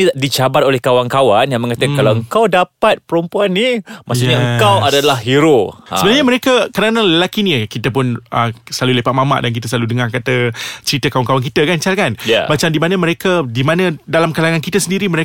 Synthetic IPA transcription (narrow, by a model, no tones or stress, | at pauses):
idit͡ʃabaɾolɛhkawaŋkawanjaŋməŋat̪akalawəŋkawdapat̪̚pəɾumpuanːimassuɲaəkawadalahɦiɾoəbənaɲamə̃ɾekakəɾanaləlakinəkit̪əp̬ʊnəsəlalulepaʔ̚mama̰ʔdank̬it̪əs̬əlaludəŋarkat̪ət͡ʃəɾit̪əkawaŋkawankit̪əkant͡ʃalkanja̰bat͡ʃamdimãnəmə̃ɾekadimanãdalamkalaŋankit̪əsəndiɾimə̃ɾe